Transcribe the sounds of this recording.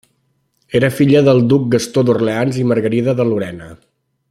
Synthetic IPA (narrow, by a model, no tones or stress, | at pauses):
eɾəfiʎəðəlˠd̪uk̚ɡəst̪oðurleanziməɾɣəɾiðəðəluɾɛnə